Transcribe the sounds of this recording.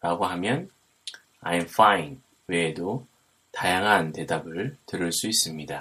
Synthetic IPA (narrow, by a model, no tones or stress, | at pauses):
ɾaɡoɦamjʌn | a̰jmfajn | we̞ːdo | tajaŋɦante̞dabɯɭtɯɾɯɭs͈uis͈ɯmɲida